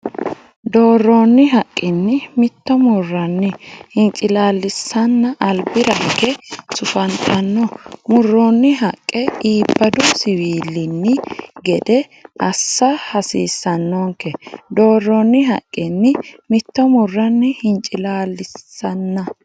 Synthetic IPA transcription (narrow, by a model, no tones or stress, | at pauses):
d̪o̞ːrːoːnːɪɦɐkʼːɪnːɪmɪt̪ːɔmʊrːɐnːɪhɪnt͡ʃʼːɪlaːlːɪsːɐnːɐʔɐlbɪɾɐhkɛsʊfɐnt̪ʰɐnːɔmʊrːoːnːɪɦɐkʼːɛiːbːɐd̪ʊsɪwiːlːɪnːɪɡɛd̪ɛ | ʔɐsːɐhɐsḭːsːɐnːɔŋkːɛd̪o̞ːrːoːnːɪɦɐ̰kʼːɪnːɪmɪt̪ːɔmʊrːɐnːɪhɪnt͡ʃʼɪlaːlːɪsːɐnːɐ